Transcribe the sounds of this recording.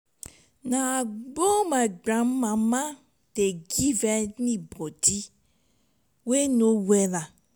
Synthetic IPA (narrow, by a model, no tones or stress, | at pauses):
naɡ͡bomaɡ͡bɾammama | deɡivenibodi | wenowela